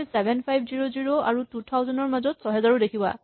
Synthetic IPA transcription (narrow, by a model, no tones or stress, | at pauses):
sɛbʱɛnpʰajbʱziɹoziɹoa̰ɹututʰawzɔnɔɹmazɔtsɔɦɛzaɹɔdekʰiba̰